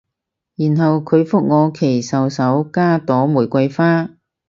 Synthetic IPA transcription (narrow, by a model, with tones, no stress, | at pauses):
jiː˨˩nɦɐ˨wkʰɵ˨˧ɥfʊ˥k̚ŋɔː˨˧kʰe˨˩jsɐ˨wsɐ˨˥wkaː˥t̪ɔː˨˥mu˨˩jkʷɐ˧jfaː˥